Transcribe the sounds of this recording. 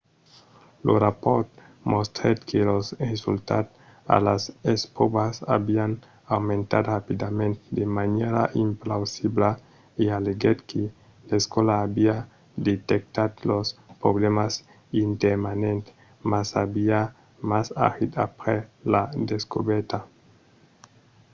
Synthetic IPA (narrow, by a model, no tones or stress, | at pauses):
lorapoɾt̪ | most̪ɾed̪kʰelosresṵlt̪a̰d̪ | a̰lasespobasa̰bian | awmẽnt̪a̰d̪rapid̪amẽnt̪ed̪emaneɾa̰ʔimplawsibla | ialeɡed̪kʰe | laeskwolaːbia | d̪et̪ek̚t̪ad̪lospɾoβlemas | int̪eɾmanent̪e̥ | masabia | masa̰xit̪apɾelad̪eskṵβeɾt̪a